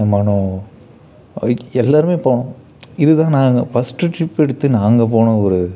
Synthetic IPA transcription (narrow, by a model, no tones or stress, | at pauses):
mɐɳõ | ɛlːaːɾɯmeːpoːɳʊ̃ | ɪðɯt̪ãːnaːŋɡɐfɐsʈːɯʈɾɪpːɛɽɯt̪ːɯnaːŋɡɐpoːɳɐ̃ɔɾɯ